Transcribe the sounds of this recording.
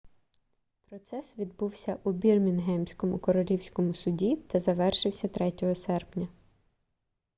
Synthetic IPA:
pɾɔt̪sɛsʋʲid̪buwsʲɐʔubʲirmʲinɦɛmsʲkɔmʊkɔɾɔlʲiwsʲkɔmʊsʊdʲit̪ɐzɐʋɛrʃɪwsʲɐt̪ɾɛtʲɔɦɔsɛrpnʲɐ

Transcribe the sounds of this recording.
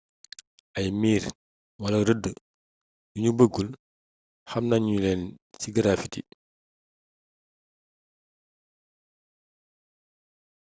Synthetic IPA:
ʔɐjmiːɾ | wɐlɐɾədːə | juɲubəɡːul | xɐmnaɲɲulɛːnsiɡɐɾaːfiti

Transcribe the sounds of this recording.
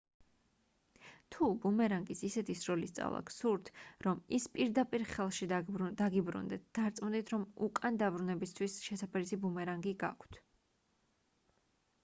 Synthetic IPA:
t̪ʰubumɛɾaŋɡisisɛt̪ʰisɾɔlist̪sʼa̰vlˠa̰ɡsuɾt̪ʰɾɔmispʼiɾd̪apʼiɾχɛlˠʃid̪aɡibɾṵnd̪ɛt̪̚ʰd̪̥aɾt̪sʼmund̪it̪ʰɾɔmukʼand̪abɾunɛbist̪ʰwisʃɛsapʰɛɾisibumɛɾaŋɡiɡa̰kʰt̪ʰ

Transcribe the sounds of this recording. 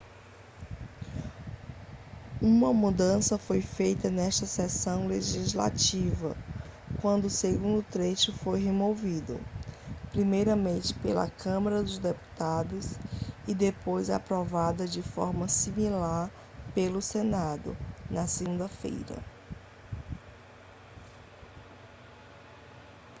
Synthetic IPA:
ũmɐmud̪ɐ̃sɐfojfejt̪ɐnɛʃt̪ɐsɛsɐ̃w̃leʒizla̰t͡ʃivɐ̰ | kwɐ̃nd̪ʊːseɡũnd̪ʊt̪ɾeʃʊfojɦemovid̪ʊ̰pɾimejɾɐmẽnt͡ʃɪ̥pelɐ̰kɐ̃mɐɾɐd̪ʊzd̪epu̥t̪ad̪ʊsid̪epojza̰pɾɔvad̪ɐd͡ʒɪfɔ̰ɾmɐsimilaɾ | pelʊsenad̪ʊ̰nɐseɡũnd̪ɐfḛjɾɐ̰

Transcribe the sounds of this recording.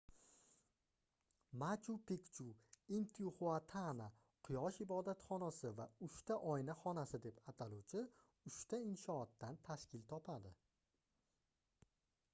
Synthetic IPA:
mat͡ʃʰupʰekt͡ʃʰuent̪ʰiuχuat̪ʰana | qʰʊjɒʃɪbɒd̪at̪χɒnasɪvaʊʃt̪ʰaʔɒjnaχɒnasɪd̪e̞pat̪ʰalut͡ʃʰɪ | ʊʃt̪aɪnʃɒːt̪ːant̪ʰaʃkʲʰɪlt̪ʰɒpʰad̪ɪ

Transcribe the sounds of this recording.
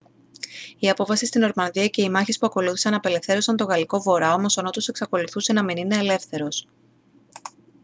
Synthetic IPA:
iɐpo̞fɐsist̪ino̞ɾmɐnðiɐce̞imɐçispuɐko̞luθisɐnɐpe̞le̞fθe̞ɾo̞sɐnt̪o̞ɣɐliko̞vo̞ɾɐo̞mo̞so̞no̞t̪ose̞ksɐko̞luθuse̞nɐminine̞ːle̞fθe̞ɾo̞s

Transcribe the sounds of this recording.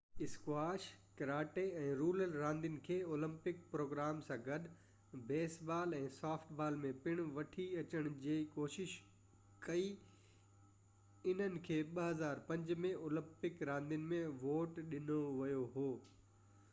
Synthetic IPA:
ɪskwaːʃkɐɾaːʈeɛ̃ːɾuːləlɾãːnd̪ijʊnɪ̆kʰeːoːlə̃mpɪk̚pɾoːɡɾaːmsãːɡɐd̪ | beːsbaːlɛ̃ːsaːfʈʰbaːlmẽpɪɽ̃ʋɐʈʰiɐt͡ɕəɽ̃d͡ʑiːkoːʃɪʃ | kɐi | ɪn̤ənɪ̆kʰeːɓɐɦɐzaːɾpɐ̃ɲd͡ʑmẽoːlɐ̃mpɪkɾãːnd̪ijʊnɪ̆mẽʋoːʈɗɪnoʋɐjoɦoː

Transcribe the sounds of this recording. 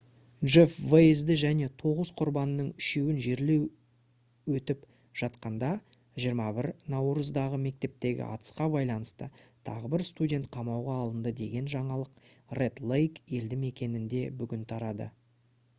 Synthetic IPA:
ʒefvezd̪ɪʒæne̞t̪ʰo̞ʁəzqʰʊɾbɑnəːəɴʏʃe̞wɪnʒe̞ɾle̞w | wɵt̪ɪp | ʒ̥ɑt̪qɑnd̪ɑ | ʒijəɾmɑbɪɾnɑwɾuzd̪ɑʁəme̞k̚t̪e̞p̚t̪e̞ɡʲɪ̰ʔɑ̰t̪ə̥sqɑbɑjlˠɑnəst̪ət̪ʰɑ̰ʁəbɪɾst̪udʲe̞nt̪̚qʰɑmɑwʁɑːlˠənd̪əd̪e̞ɡʲe̞nʒɑɴɑlˠəqre̞t̪lˠejke̞ld̪ɪme̞kʲe̞nɪnd̪e̞bʏɡʲɪnt̪ʰɑɾɑd̪ə̰

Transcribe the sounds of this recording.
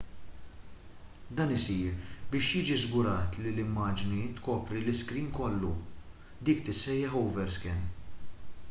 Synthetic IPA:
d̪ɐːnɪsiːɾbɪːʃjɪːd͡ʒizɡʊɾɐːt̪lilɪmːɐːd͡ʒnit̪kɔːpɾilɪskɾiːnkɔlːṵ | d̪iːkt̪ɪsːɛjːɐħɔwvɛɾskɛn

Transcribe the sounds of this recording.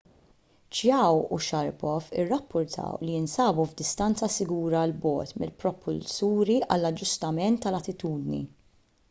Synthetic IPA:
t͡ʃjɐwṵʃɐɾpɔfɪ̰rːɐpːʊɾt̪ʰɐ̰wliɪnsɐːbuvd̪ɪst̪ɐnt͡sɐsɪɡuːɾɐlbɔ̰ːt̪mɪ̰lpɾɔpʰʊ̰lsuːɾiʔɐlːɐd͡ʒːʊst̪ɐmɛnt̪ːɐlɐt̪ɪt̪uːd̪nḭ

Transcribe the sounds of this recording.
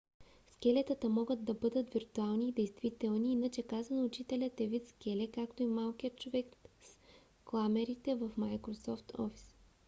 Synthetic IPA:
skɛlɛt̪ət̪əmɔɡəd̪̚d̪ɐbɤd̪ət̪viɾt̪ualˠniːd̪ɛjst̪vit̪ɛlˠniinət͡ʃɛkazɐnoːt͡ʃit̪ɛlʲət̪ɛvit̪skʲɛlɛkakt̪oimalˠkijət̪̚t͡ʃovɛks | klˠamɛɾit̪ɛvəfmajkɾosɔft̪ʰɔ̰fi̥s

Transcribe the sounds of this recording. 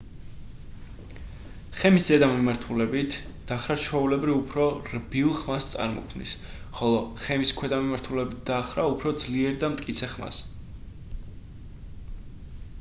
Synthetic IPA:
χɛmiszɛd̪amimaɾt̪ʰulɛbit̪ʰ | d̪̥aχɾat͡ʃʰɛulɛbɾiupʰɾɔɾbilˠχmast̪sʼa̰ɾmɔ̰kʰmnḭs | χɔlˠɔχɛmiskʰwɛd̪amimaɾt̪ʰulɛbit̪̚d̪aχɾaupʰɾɔd̪zliɛɾd̪amt̪ʼkʼit̪sʰɛχma̰s

